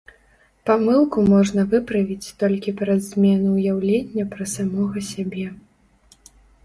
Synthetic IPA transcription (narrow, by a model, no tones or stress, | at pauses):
pamɨlˠkumɔʐnɐvɨpɾɐvʲit͡sʲt̪ɔlʲkʲipɾɐzʲmʲɛnuːjawlʲenʲːɐpɾɐsamɔɣɐsʲabʲɛ